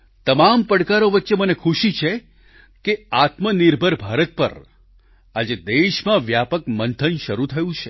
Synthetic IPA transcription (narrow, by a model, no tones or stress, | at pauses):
t̪əmampəɽkaɾoʋətːʃemənekʰuʃit͡ʃʰe | keat̪məniɾbʱəɾbʱaɾət̪̚pə̰ɾ | ad͡ʒed̪eʃmãʋjapəkmənt̪ʰənʃəɾut̪ʰəjũt͡ʃʰe